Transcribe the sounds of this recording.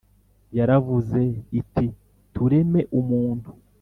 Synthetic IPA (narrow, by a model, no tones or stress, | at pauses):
jaɾavuze̞itʰi | tuɾe̞me̞ʔumuːnhu